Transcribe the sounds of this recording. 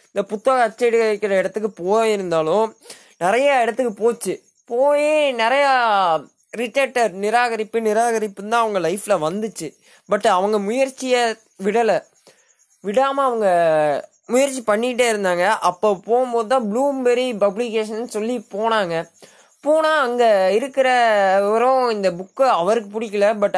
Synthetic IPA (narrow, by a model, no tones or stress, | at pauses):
ɪnd̪ɐpʊt̪ːɐɣɐɐt͡ʃːɐɪɽɯɐkːɪɾɐɪɽɐt̪ːɯkːɯpoːjɪɾɯnd̪aːlʊ̃ | nɪɾɐjɐɛɽɐt̪ːɯkːɯpoːt͡ʃːɯ | poːjinɪɾɐjɐ | ɾɪʈːɐʈːɐɾnɪɾaːɣɐɾɪpːɯnɪɾaːɣɐɾɪpːɯnãːɐʋɐŋɡɐlɐɪfɪlɐʋɐnd̪ɯt͡ʃːɯ | bɐʈːɐʋɐŋɡɐmʊjɐɾt͡ʃːɪjɐ | ʋɪɽɐlɐ | ʋɪɽaːmaːɐʋɐŋɡɐ | mʊjɐɾt͡ʃːipɐɳːɪʈːeːɪɾɯnd̪aːŋɡɐʔɐpːoːpoːɣɯmboːðɯt̪ãːbluːmbɛɾipɐblɪkːeːʂ̬ɐnːsɔlːipoːnaːŋɡɐ | poːnaːɐŋɡɐɪɾɯkːɪɾɐɐɾɔ̃ɪnd̪ɐbʊkːɯɐʋɐɾɯkːɯpʊɽɪkːɐlɐbɐʈː